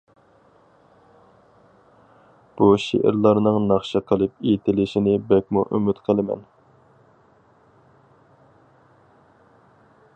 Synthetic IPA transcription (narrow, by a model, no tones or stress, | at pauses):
b̥uʃḛʔɪ̰ɾlˠɑɾnɨŋnɑχʃɑqʰəlˠɨp̚et̪ʰɪlɪʃinɪbɛkʲmuʔymɪt̪qʰəlˠɨmɛ̰n